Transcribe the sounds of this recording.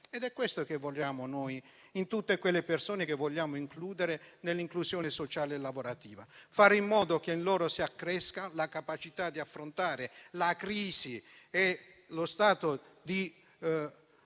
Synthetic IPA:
ɛd̪ɛkːwest̪okevːoʎːaːmonoj | int̪ut̪ːekwelːepersoːnekevːɔʎːaːmoiŋkluːd̪eɾenelːiŋkluzjɔːnesot͡ʃaːleɛlːavoɾat̪iːvafaːɾimːɔːd̪okeinlɔːɾosiakːɾɛskalakapat͡ʃit̪ad̪iafːɾont̪aːɾelakɾiːzie | lost̪aːt̪od̪i

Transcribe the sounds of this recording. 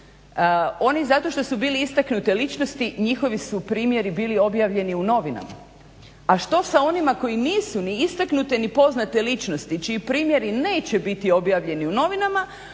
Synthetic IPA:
o̞nizat̪o̞ʃt̪o̞subiːliist̪aknut̪elit͡ʃno̞st̪iɲixo̞ʋisupɾiːmje̞ɾibiːlio̞bjaːʋʎe̞niuno̞ʋina̰ma̰ | aʃt̪o̞sao̞nimako̞jiniːsuniist̪aknut̪enipo̞znat̪elit͡ʃnost̪it͡ʃiipɾiːmje̞ɾine̞ːt͡ɕe̞bit̪io̞bjaːʋʎe̞niuno̞ʋinama

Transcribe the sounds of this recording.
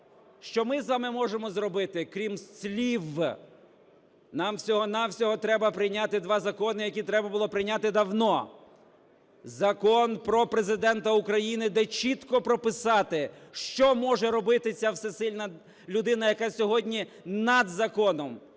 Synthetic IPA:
ʃt͡ʃɔmɪzʋɑmɪmɔʒemɔzrɔbɪt̪ɪkɾʲimsʲlʲiʋ | nɑmsʲɔɦɔnɑwsʲɔɦɔt̪ɾɛbɐpɾɪjnʲat̪ɪd̪ʋɑzɐkɔnɪjɐkʲit̪ɾɛbɐbʊlˠɔpɾɪjnʲat̪ɪd̪ɐwnɔ | zɐkɔnpɾɔpɾezɪd̪ɛnt̪ɐukɾɐjinɪd̪ɛt͡ʃit̪kɔpɾɔpɪsɑt̪ɪʃt͡ʃɔmɔʒɛɾɔbɪt̪ɪt͡sʲawsɛsɪlʲnɐ | lʲʊd̪ɪnɐjɐkɑsʲɔɦɔdʲnʲi | nɐd̪zɐkɔnɔm

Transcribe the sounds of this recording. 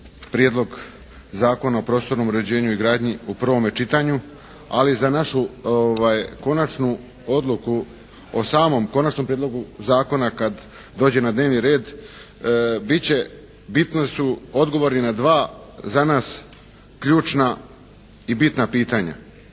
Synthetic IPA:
pɾjed̪lˠo̞ɡ | zaːko̞naopɾo̞ːst̪o̞ɾno̞muɾe̞d͡ʑe̞ːɲuiɡɾaːd̪ɲiupr̩ʋo̞met͡ʃit̪aɲu | a̰lizanaʃuoʋajko̞nat͡ʃnu | o̞d̪luku | osaːmo̞mko̞nat͡ʃno̞mpɾied̪lo̞ɡuzaːko̞nakad̪ | d̪o̞ːd͡ʑe̞nad̪ne̞ːʋniɾe̞ːd̪ | bit͡ɕe̞ | bit̪nosuo̞d̪ɡo̞ʋo̞ɾninad̪ʋaː | zanaːs | kʎuːt͡ʃna | ibit̪napiːt̪aɲa̰

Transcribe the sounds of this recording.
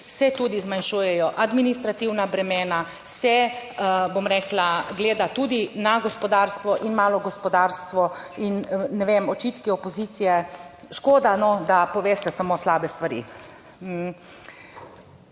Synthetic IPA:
sɛt̪uːd̪izmanʃuːjɛjɔʔad̪minist̪ɾat̪iwnabɾɛmeːna | sɛ | bomɾɛːklaɡleːd̪at̪uːd̪inaɡɔspɔd̪aːɾst̪ʋɔʔinmaːlɔɡɔspɔd̪aːɾst̪ʋɔ | inːɛʋeːmɔt͡ʃit̪kiɔpɔziːt̪sijɛ | ʃkoːd̪anɔd̪apɔʋeːst̪ɛsamoːslaːbɛst̪ʋaɾḭ

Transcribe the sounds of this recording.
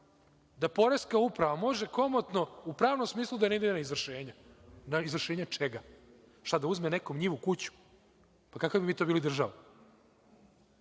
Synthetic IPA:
d̪apo̞ɾe̞skaupɾaʋamo̞ʒe̞ko̞mot̪no̞upɾaːʋnomsmiːslˠud̪aneid̪enaizʋr̩ʃeːɲanaizvr̩ʃeːɲat͡ʃeɡa | ʃt̪ad̪auzmene̞ko̞mɲiːʋukut͡ɕu̥ | pakakabimiːt̪obiːlid̪r̩ʒaʋa

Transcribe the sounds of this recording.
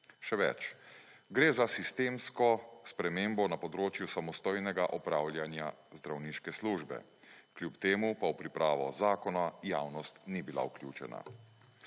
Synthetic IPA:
ʃɛʋɛ̰t͡ʃ | ɡɾeːzasist̪eːmskɔspɾɛmeːmbɔnapɔd̪ɾoːt͡ʃjusamɔst̪oːjnɛɡaʔɔpɾaːwlʲjanjazd̪ɾawniːʃkɛsluːʒbɛ̰ | klʲjupt̪eːmupawpɾipɾaːʋɔ̰zaːkɔnajaːwnɔst̪nibila̰uklʲjuːt͡ʃɛna̰

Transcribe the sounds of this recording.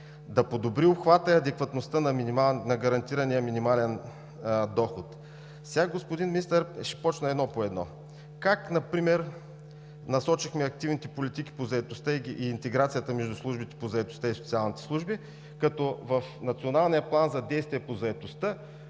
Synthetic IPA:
d̪ɐpod̪obɾiopxvat̪əɐd̪ɛkvɐt̪nost̪ənɐinimanɐɡɐɾɐnt̪iɾɐnijəminimalɛn | d̪ɔxot̪ | sʲaɡospod̪inmʲinist̪əɾʃɛ̥pɔt͡ʃnəɛd̪nɔpoɛd̪nɔ̰ | kaknɐpɾimɛɾ | nɐsɔt͡ʃixmɛɐk̚t̪ivnit̪ɛpolit̪ik̟i̥pozɐɛt̪ost̪əiʔiːnt̪ɛɡɾat̪sijət̪əmɛʒd̪uslˠuʒbit̪ɛ̥pozɐɛt̪o̥st̪əisot̪sialˠnit̪ɛ̥slˠuʒbi | kɐt̪ɔvɐfnɐt̪sionalˠnʲijəplˠanzɐd̪ɛjst̪viɛpozɐɛt̪ost̪ə

